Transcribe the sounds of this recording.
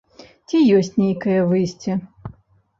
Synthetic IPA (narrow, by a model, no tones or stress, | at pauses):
t͡sʲijɔsʲt͡sʲnʲejkɐjɐvɨjsʲt͡sʲi